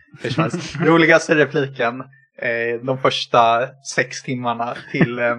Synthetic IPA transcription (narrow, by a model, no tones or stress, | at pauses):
fœʂvɛnsɾuːlɪɡast̪əɾɛpʰliːkən | d̪ɔmfœʂʈasɛkst̪ʰɪmːaɳat̪ʰɪl